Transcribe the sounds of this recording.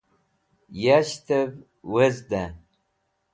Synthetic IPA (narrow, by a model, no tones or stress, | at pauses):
jaʃtʰɐv | wɐzd̪an